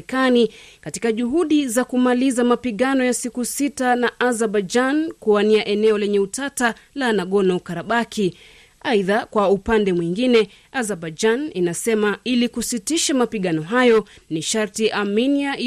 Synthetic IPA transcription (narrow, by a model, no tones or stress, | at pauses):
kanikati̥kaʄuɦuɗizakumalizamapiɠanɔjasikusitanaʔazaɓad͡ʒankuaniaʔɛnɛɔlɛɲɛutata | lanaɠɔnɔkaɾaɓakʰi | aiðakwaupandɛmwiŋɡinɛ | azaɓad͡ʒaninasɛmailikusitiʃamapiɠanɔɦajɔniʃaɾtiʔaminia